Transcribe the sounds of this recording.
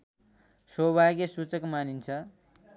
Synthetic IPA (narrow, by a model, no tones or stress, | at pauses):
sobʱaɡesut͡sʌkmanint͡sʰʌ